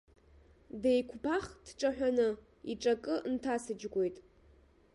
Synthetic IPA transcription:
dejkʷʰpʰaχd̥ʈ͡ʂʷʼaħᶣanɨ | iʈ͡ʂʼakʼɨntʰasɨd͡ʒɡʷo̞jtʼ

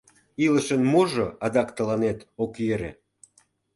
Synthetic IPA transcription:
iləʃənmoʒoɑd̪ɑkt̪əlɑnet̪okjeɾḛ

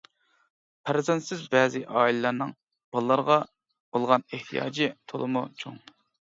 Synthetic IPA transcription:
pʰæɾzɛnt̪sɪzbɛːzɪʔɑːilɨlːˠɑɾnɨŋ | b̥ɑlˠːɑɾʁɑ | bolˠʁɑneht̪ʰijɑ̰ːd͡ʒit̪ʰolˠɨmṵt͡ʃʰo̰ŋ

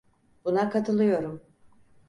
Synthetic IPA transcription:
bunakʰat̪ʰɯlˠɯjo̞ɾum

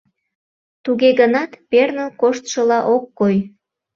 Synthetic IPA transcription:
t̪uɣeɣənɑt̪pernəkoʃt̪ʃəlɑʔokːoj

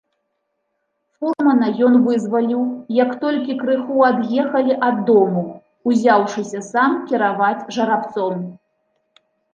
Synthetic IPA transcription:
furmɐnɐjɔnvɨzvɐlʲiwjɐkt̪ɔlʲkʲikɾɨxuad̪jɛxɐlʲiʔɐd̪ːɔmuw | uzʲawʂɨsʲɐsamkʲiɾavat͡sʲʐɐɾapt̪sɔm

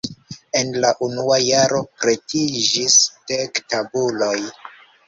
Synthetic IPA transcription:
e̞nlaʔunuajaɾo̞pɾe̞tid͡ʒisd̥ektabulo̞j

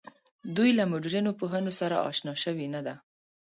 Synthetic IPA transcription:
d̪ujlamʊɖɾinopoɦənosaɾa̰ʔɑ̰ʃnɑʃəwinad̪a

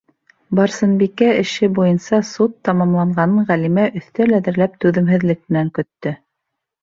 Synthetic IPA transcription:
bɑɾsɤ̆nbikæɘ̆ʃɘbujɤnsɑsut̪ːɑmɑmlˠɑɴɢɑnɤɴʁælimæʔɵ̆θt̪ælæðɘ̆ɾlæp̚t̪ʉðɘ̆mɦɘ̆ðlɘk̚mɘ̆næŋkɵ̆t̪ːɵ

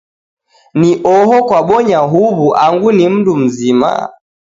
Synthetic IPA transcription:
niʔɔɦɔkwaɓɔɲaɦuβuʔaŋɡunim̩dum̩zima̰

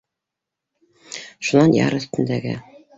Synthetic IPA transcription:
ʃunɑnjɑ̰ɾɵ̆θt̪ɘ̆nd̪æɡɘ̰

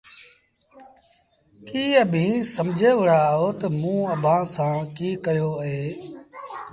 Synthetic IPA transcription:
kiːəbʱĩːsəmd͡ʒʱeːʋəɽaːɦoːt̪əmũːəbʱãːsãːkiːkəjoːɦeː

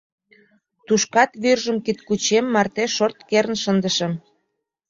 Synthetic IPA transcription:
t̪uʃkɑt̪βyrʒəmkit̪kut͡ɕemːɑrt̪eʃort̪keɾənʃənd̪əʃə̆m

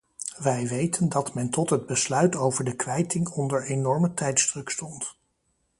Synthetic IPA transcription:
ʋɛjʋejtʰəndɑtmɛntɔtɦəd̚bəslœɥtowvəɹdəkʋɛjtɪŋɔndəɹenɔɹmətɛjtzd̥rɵkstɔnt

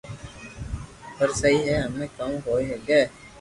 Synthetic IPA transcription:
pəɾsɐɦiɦɛɦɐmẽːkɐ̃ɦoːeɦeːɡɛː

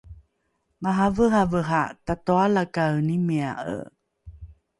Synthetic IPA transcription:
maɦavəɦavəɦatatoalakawnimea̰ʔə̰

